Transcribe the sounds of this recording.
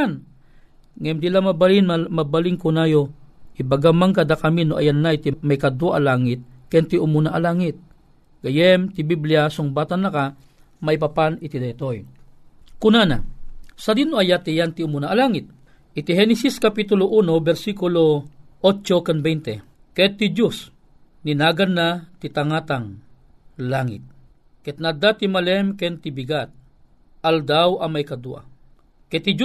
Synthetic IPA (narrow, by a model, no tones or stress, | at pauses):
n | ŋɛmd̪ilamabalinmabaliŋkʊnajohibaɡamaŋkad̪akaminoʔa̰janːait̪imajkad̪woʔalaːŋɪt̪̚kɛnt̪ɪʔʊmunaʔalaːŋɪt̪̚ | ɡ̥ajɛmt̪ɪbiblɪasʊŋbaːt̪anaka | maipapanɪt̪id̪ajt̪oj | kʊnana̰sad̪inoajat̪ijant̪ɪʊmunaʔːlaːŋɪt̪̚ | ʔit̪iɦɛnɛsiskɐpit̪ʊloʔunobɛɾsikuloʔot͡ʃokanbɛjnt̪ɛ | kɛt̪ːid͡ʒus | ninaɡanːat̪it̪aŋat̪aŋ | laŋɪ̰t̪̚ | kɛt̪̚nad̪at̪imalɛmkɛnt̪ibiɡat̪̚ | ʔɐld̪awɐmajkɐd̪uʔa̰ | kɛt̪ːid͡ʒ